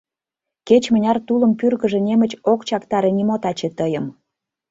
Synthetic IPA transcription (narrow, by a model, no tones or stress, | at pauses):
ket͡ɕmə̆nʲɑrt̪ulə̆mpyrɣə̆ʒĕnʲemə̆t͡ɕokt͡ɕɑkt̪ɑɾenimot̪ɑt͡ɕet̪əjəm